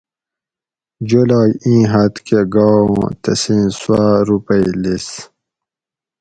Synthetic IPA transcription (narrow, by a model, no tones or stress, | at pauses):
d͡ʑulaːjĩːɦɐt̪keɡãːt̪ɐsĩːswaːɾupəjlis